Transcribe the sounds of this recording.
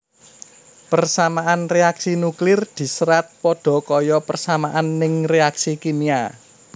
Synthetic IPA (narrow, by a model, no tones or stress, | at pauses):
pərsamaʔanreaksinuklɪrd̪̥i̤səɾat̪̚pɔɖ̥ɔ̤kɔjɔpərsamaʔanːɪŋreaksikinia̰